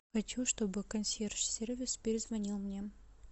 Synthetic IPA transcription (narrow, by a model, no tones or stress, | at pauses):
xɐt͡ɕuʂt̪obɨkɐnsʲerʂsʲervʲɪspʲɪɾʲɪzvɐnʲilˠmnʲe